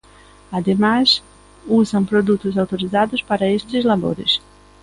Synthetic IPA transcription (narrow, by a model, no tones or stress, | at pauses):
ad̪emaz | uzɐ̃w̃pɾod̪ut̪ʊzawt̪oɾizad̪ʊspaɾɐest̪ɪzlabo̰ɾɪ̰s